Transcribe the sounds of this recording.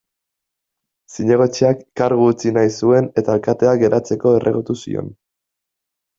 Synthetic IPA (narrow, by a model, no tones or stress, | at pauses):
siɲe̞ɣ̞o̞t͡ʃeakːaɾɣuːt͡sinajsue̞ne̞t̪aelkat̪e̞aɡe̞ɾʔat͡se̞ko̞e̞rʔe̞ɣut̪usḭo̞̰n